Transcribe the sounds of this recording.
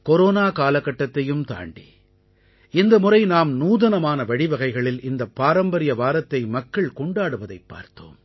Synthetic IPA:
kɔɾoːnaːkaːlɐkːɐʈːɐt̪ːɐjɯmt̪a̰ːɳɖḭ | ɪnd̪ɐmʊɾɐɪnaːmnuːðɐnɐmaːnɐʋɐɽɪʋɐɣɐɪɣɐɭɪlɪnd̪ɐpːaːɾɐmbɐɾɪjɐʋaːɾɐt̪ːɐɪmɐkːɐɭkɔɳɖaːɽɯʋɐðɐɪpːa̰ːɾt̪o̰ːm

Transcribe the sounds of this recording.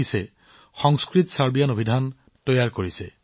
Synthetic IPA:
isɛ | xɔŋskɹitsaɹbijanobʱidʱan | tɔjaɹkoɹisɛ

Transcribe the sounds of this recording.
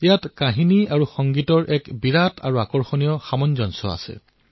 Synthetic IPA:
ijatkaɦiniaɹuxɔŋɡitɔɹʔɛkbiɹatʰaɹuakɔɹxɔnijɔxamɔnzɔnsɔ̰a̰sɛ̰

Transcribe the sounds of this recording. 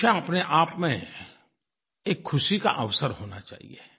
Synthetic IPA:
aɐpneʔaːpmẽ | eːkʰːʊʃika̰ʔəʋsəɾɦoːna̰t͡ʃa̰ːɦḭe

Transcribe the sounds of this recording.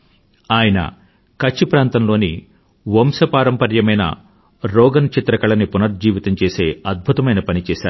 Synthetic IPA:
aːjɐnɐ̰ | kɐt͡ʃːipɾaːnt̪ɐnlo̞ːni | ʋomsɐpaːɾɐmpɐɾjɐmɐjnɐ̰ | ɾɔːɡɐnt͡ʃit̪ɾɐkɐɭɐnipunɐɾd͡ʒiːʋit̪ɐmt͡ʃe̞ːse̞ːɐd̪̚bʱut̪ɐmɐjnɐpɐnit͡ʃɛːʃaːɾu

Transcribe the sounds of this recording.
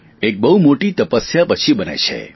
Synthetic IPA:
ek̚bəɦumoʈit̪əpəsjapət͡ʃʰibənḛt͡ʃʰḛ

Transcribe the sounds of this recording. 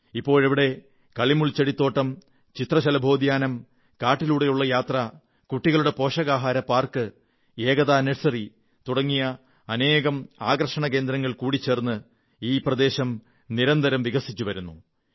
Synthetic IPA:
ipːo̞ːɭɐʋiɽe̞ | kɐɭimuɭt͡ɕɐɽit̪ːoːʈːɐm | t͡ɕit̪rɐɕɐlɐbʱo̞ːd̪jaːnɐm | kaːʈːiluːɽe̞juɭːɐjaːt̪rɐ | kuʈːiɣɐɭuɽe̞po̞ːʂɐɣaːɦaːɾɐpːaːrkɨ | eːɣɐðaːneʂsɐri | t̪uɽɐŋːijɐ | ɐne̞ːɣɐmaːɡɐrɐʂɐɳɐke̞ːnd̪ɾɐŋːɐɭkuːɽit͡ɕːe̞ːrnːɨ | iːprɐd̪e̞ːɕɐm | niɾɐnd̪ɐɾɐmʋiɣɐsit͡ɕːuʋɐɾunːu

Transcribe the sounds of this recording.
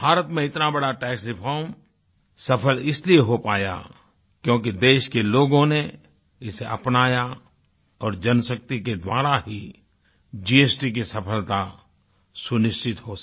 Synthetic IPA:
bʱaːɾət̪mẽɪt̪nabɐɽaʈɛːksɾɪpʰɔːɾm | sɐpʰəlɪslieɦopaːja̰ | kjõːkid̪eːʃkeloːɡõne | ɪseʔɐpnaːja | ɔːɾd͡ʒɐnsək̚t̪iked̪waːɾaɦi | d͡ʒiːeːsʈik̬isɐpʰəlt̪a | sʊnɪʃt͡ʃɪt̪ɦo

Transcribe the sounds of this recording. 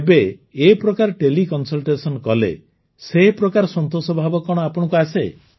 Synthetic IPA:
beːpɾɔkaɾɔʈelikɔnsɔlʈesɔnkɔlḛ | sepɾɔkaɾɔsɔnt̪osɔbʱabɔkɔɽ̃ɔapɔɽ̃ɔkuase

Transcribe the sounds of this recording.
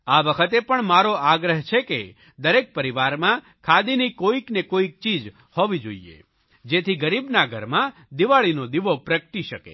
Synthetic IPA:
aʋəkʰət̪epəɳmaɾoaɡɾəɦt͡ʃʰekḛ | d̪əɾek̚pəɾiʋaɾmã | kʰad̪inikoiknekoik̚t͡ʃid͡ʒ | hɔʋid͡ʒo̰iḛ | d͡ʒet̪ʰiɡəɾibnaɡʱə̰ɾmã | d̪iʋaɭinod̪iʋopɾəkʈiʃəkḛ

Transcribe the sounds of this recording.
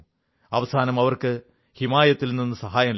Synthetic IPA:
ɐʋɐsaːnɐmɐʋɐrkɨ | himaːjɐt̪ːilninːɨsɐɦaːjɐm

